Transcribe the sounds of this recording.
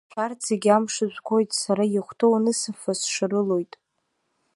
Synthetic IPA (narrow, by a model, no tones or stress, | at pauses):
ʃart͡sʰeɡʲamʂɨʒʷʼkʷʰo̞jtʼsaɾajɪχʷtʰownɨsɨfasʂarɨlo̞jtʼ